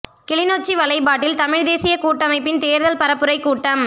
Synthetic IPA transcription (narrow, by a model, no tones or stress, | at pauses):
kɪɭɪnoːt͡ʃːiʋɐlɐɪpaːʈːɪlt̪ɐmɪɻd̪eːsɪjɐkuːʈːɐmɐɪpːɪnt̪eːɾðɐlpɐɾɐpːɯɾɐɪkːuːʈːɐm